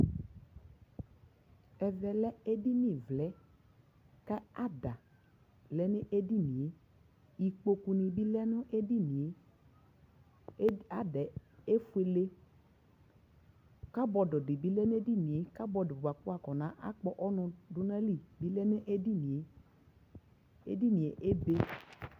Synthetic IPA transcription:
ɛ˨vɛ˨lɛ˦e˦di˦ni˨vlɛ˨˦ | ka˦a˦da˨ | lɛ˦nɪ˦ʔe˦di˦nĩ˨e˦ | i˨k͡po˨ku˨nĩ˨bi˦lɛ˦nʊ˦ʔe˦di˦nĩ˨e˦ | a˦dɛ˨e˦fu˦e˨le˦ | ka˦bɔ˧dɔ˨di˨bi˦lɛ˦n˦e˦di˦nĩ˨e˨˦ka˦bɔ˨dɪ˨bba˨ku˦a˨kɔ˨nã˨˦ʔa̰˦k͡pɔ˨ʔɔ˦nʊ̃˧dʊ˦nɛ˦li˦˨bi˦lɛ˦nʊ˦ʔe˦di˦nĩ˨e˨˦ | ḛ˦di˦˨nĩ˨e˨ʔe˦be˦

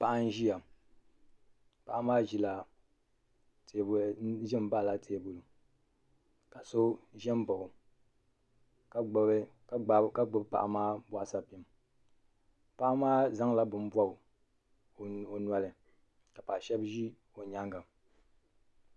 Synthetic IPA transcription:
pa˨ʔa˦n˦ʒi˦ja˨ | pa˨ʔa˦maː˦ʒi˦la˨ | te˨bʒɛ˦m˦ba˦˨la˨tʰeː˨˦˨bo˨lʊ˨ | ka˨so˦ʒɛ˦mba˨ | ka˦ɡ͡b | ka˦ɡ͡bʊ˦bpa̰˨ʔa̰˨maː˦ba˦ʔa˦˨sa˦pi˨m | pa˨ʔa˦maː˦za˦ŋla˦bɨ˨m˦bwa˦˨ | o˨nwa˦lɨ˨ | ka˨pa˨ʃɛ˦bʒi˦ | o˨ɲa˦ŋɡa˨

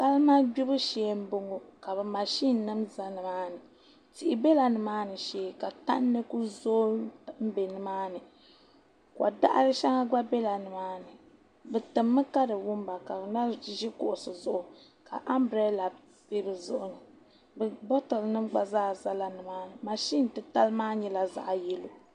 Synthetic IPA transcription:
ka˦lma˦ɡ͡bi˦bɨ˦ʃeː˨˦m̩˦bo˦ŋo˦ka˨βɨ˨ma˨ʃi˦nː˨ɨ˦mza˦nɨ˨maː˦nɨ˨ | ti˨ʔɪ˨be˦la˨nɨ˨maː˦nɨ˨ʃeː˨˦˨ka˨ta̰˦nːɨ˦ku˦zoː˦m̩˦be˨nɨ˨maː˦nɨ˨ | ka̰˨da̰˦ʔa̰˦ɾɨ˦ʃa˦ŋa˦ɡ͡ba˦be˦la˨nɨ˨maː˦nɨ˨ | bɛ˨tɨ˨mːɨ˦ka˦dɨ˨wʊ˦m˦ba˨ka˨bna˦ʒɛ˦kʊ˨ʔʊ˨sɨ˨zʊ˦ʔʊ˨ | ka˨ʔa˦mbɾɛ˦la˨ | pe˦bɨ˨zʊ˦ʔʊ˨nɨ˨ | bɛ˨bɔ˦tɔ˨lnɨ˦mɡ͡ba˨zaː˦za˦la˨nɨ˨maː˦nɨ˨ma˨ʃi˦n˨tɨ˦ta˦lmaː˦ɲɛ˦la˨za̰˨ʔjɛ˦lo˨

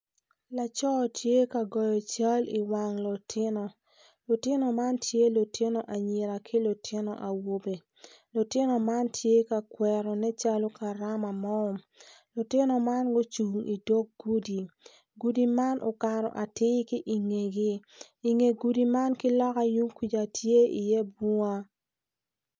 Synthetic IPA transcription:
la˨t͡ʃɔ˦˨tʰje˦ka˨ɡɔ˨jɔ˨t͡ʃa˦li˨wa˨ŋlo˨tʰɪ˦nɔ˨ | lo˨tɪ˦nɔ˨ma˦ntʰje˦lo˨tʰɪ˦nɔ˨ʔa˨ɲi˨ɾa˨kʰɪ˦lo˨tʰɪ˦nɔ̰˨ʔa˨wo˦be˨ | lo˨tɪ˦nɔ˨ma˦ntʰje˦ka˨kwɛ˨ɾɔ˨nɛ˦t͡ʃa˦lo˦ka˨ɾa˦ma˨mɔ˦˨m | lo˨tɪ˦nɔ˨ma˦nɡo˦t͡ʃu˨ŋi˨do˦k̚ɡu˦di˨ | ɡu˨di˨ma˦nʔo̰˨ka˨ɾɔ̰˨ʔa˨tɪ˦ki˦ʔi˨ŋe˨ɡi˦ | i˨ŋe˨ɡu˨di˨ma˦nki˦lɔ˦ka˦ju˦ŋkwi˨d͡ʒa˨tje˦i˨jɛ˦bu˦ŋa˦

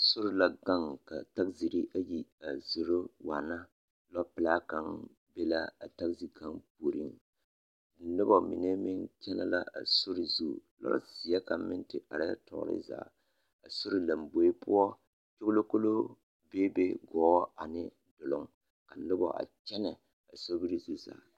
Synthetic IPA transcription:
sʊ˦ɾɪ˦la˦ɡa˦ŋka˨ta˦kzi˨ɾi˦ʔa˦ji˨a˨zu˨ɾo˦wa˨na˦ | lɔ˦pɪ˨laː˦ka˦ŋ | be˦la˦a˨ta˦kzi˨ka˦ŋp̚uː˨ɾi˦ŋ˨ | nɨ˦bɔ˨mḭ˨nɛ˦mɪ˦ŋt͡ʃɛ˦na̰˦la̰˦a̰˨sʊ˦ɾɪ˨zu˦˨lɔ̰˦si˨ja˦ka˨mɪ˦ntɪ˨ʔa˨ɾɪ˦a̰˦tɔ̰˨ʔɾɪ̰˦za̰ː˨ | a˨so˦ɾɪ˦la˨mbo˨e˦pʊ˦ɔ˦ | t͡ʃo˦klo˦ko˦lo˦ | be˦be˦ɡɔː˨˦a˨nɪ˦ | dʊ˨lʊ˨ŋ | ka˨nɨ˦bɔ̰˨ʔa̰˨t͡ʃɛ˦nɛ˨ | a˨so˦bi˦ɾi˦zu˦za̰ː˨

